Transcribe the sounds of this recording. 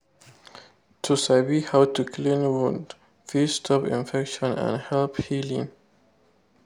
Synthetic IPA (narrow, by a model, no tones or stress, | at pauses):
tʰusabihawtukʰlĩnwũnd | fistʰɔpḭ̃nfɛkʃɔ̃nã̰nhɛlphilḭ̃ŋ